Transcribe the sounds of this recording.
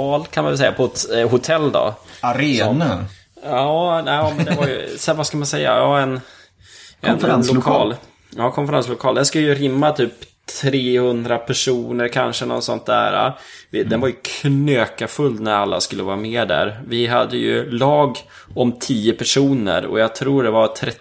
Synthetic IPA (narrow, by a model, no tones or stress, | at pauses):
ɑːlkʰanma̰vɛlsɛ̰jːapʰɔɛt̪ɦʊt̪ʰɛlːd̪ɔ̰aɾeːɔna | ɑːnɛmɛnd̪vaɾj̰sɛvaskamansɛjːa̰jɑːɛn | ʔɛnlʊkʰɑːl | jɑːkʰɔnfəɾanslʊkʰɑːld̪ɛnskɵlːəjɵɾɪmːat̪ʰyːpt̪ʰɾeːhɵnd̪ɾapʰæʂuːnəɾkʰanʂənɔ̰t̪sɔ̰nt̪̚d̪æ̰ːɾa̰ | vɪd̪ɛnvaɾjɵkʰnøːkafɵlːnæɾalːa̰skɵlːəvɑːɾameːd̪æ̰ɾvɪɦa̰d̪ːəjɵ̰lɑːɡ | ɔmt̪ʰiːəpʰæʂuːnə̰ɾɔ̰jɑɡ̚t̪ʰɾuːɖɛvaɾt̪ʰɾɛ